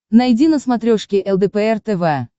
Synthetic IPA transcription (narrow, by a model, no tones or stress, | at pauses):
nɐjdʲinəsmɐt̪ɾʲoʂkʲɪʔɛlˠd̪ɛpɛɛrt̪ɛvɛ